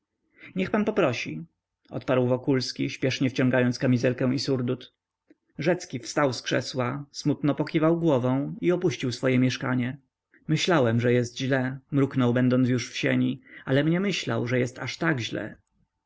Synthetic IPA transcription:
ɲɛxpanpɔpɾɔɕḭ | ɔ̰t̪̚paɾwvɔkulskʲiɕpʲjɛʂɲɛft͡ɕɔ̃ŋɡajɔnt̪skamʲizɛlkɛw̃isuɾd̪ut̪ | ʐɛt̪skʲifst̪awskʂɛ̰swasmut̪nɔpɔkʲivawɡwɔvɔ̃w̃iɔpuɕt͡ɕiwsfɔjɛmʲjɛʂka̰ɲɛ | mɘɕlawɛmʐɛjɛst̪ʑlɛmɾuknɔwbɛnd̪ɔnt̪s̬juʂfɕeɲialɛmɲɛmɘɕla̰wʐɛjɛst̪aʂt̪aɡʑlɛ̰

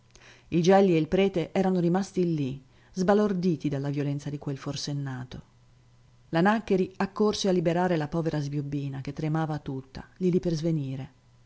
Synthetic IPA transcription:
id͡ʒɛlːieilpɾɛːt̪eʔɛːɾanoɾimast̪ilːi | zbalord̪iːt̪id̪alːavjolɛnsad̪ikwelforsenːaːt̪o | lanakːeɾiakːorsealːibeɾaːɾelapɔːveɾazbjobːiːnak̟et̪ːɾemaːvat̪ut̪ːa̰liliperzveniːɾe

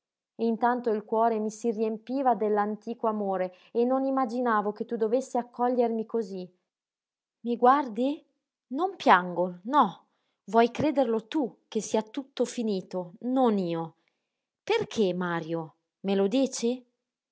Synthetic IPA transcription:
int̪ant̪oilkwɔːɾemisiriempiːvad̪elːant̪iːkoamoːɾe | enːonimːad͡ʒinaːvok̟et̪ːud̪ovesːiakʰːɔʎːermikozi | miɡward̪i | nompjaŋɡonɔ | vwɔjkɾeːd̪erlot̪uk̟ːesːiːat̪ut̪ːofiniːt̪ononiːo | perkʰemaːɾjo | melod̪iːt͡ʃe

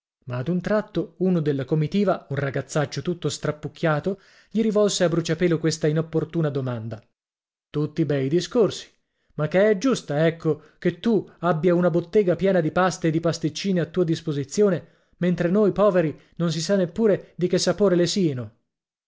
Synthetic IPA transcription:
maːd̪unt̪ɾat̪ːouːnod̪elːakomit̪iːvaunraɡat̪sːat͡ʃːot̪ut̪ːost̪ɾapːuk̟ʰʲːjaːt̪o | ʎiɾivɔlseabːɾut͡ʃapɛːlokwest̪ainopːort̪uːnad̪omand̪a | t̪ut̪ːibɛjd̪iskorsi̥ | makːeɛd͡ʒust̪aɛkʰːok̟et̪ːuabːjaunabot̪ːeːɡapjɛːnad̪ipast̪eːd̪ipast̪it͡ʃːiːneat̪ːuːad̪ispozit̪sːjoːne | ment̪ɾenojpɔːveɾi | nons̬isanːepːuːɾed̪ik̟esːapoːɾelesiːano

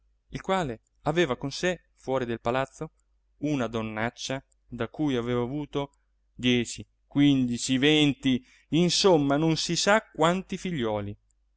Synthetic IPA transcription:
ilkwaːle | aveːvakonse | fwɔːɾid̪elpalat̪sːo | unad̪onːat͡ʃːa | d̪akujaveːvaːvuːt̪o | d̪jɛːt͡ʃi | kwind̪it͡ʃivent̪i | insomːanonsisakːwant̪ifiʎːɔːli

